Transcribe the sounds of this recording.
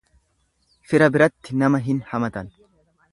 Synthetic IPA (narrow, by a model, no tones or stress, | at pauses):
fɪɾɐbɪɾɐt̪ːɪnɐmɐɦɪnhɐmɐt̪ɐn